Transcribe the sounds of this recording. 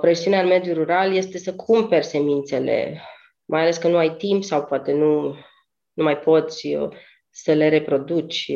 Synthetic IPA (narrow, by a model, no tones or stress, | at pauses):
pɾe̞siuneaɨnme̞d̪juruɾalje̞st̪e̞səkʰumpe̞rʲse̞mint̪se̞le̞̰ | mʔajale̞skənuajt̪impsawpoat̪e̞nu | numajpo̞t̪sʲ | səle̞ɾe̞pɾo̞d̪ut͡ʃʲ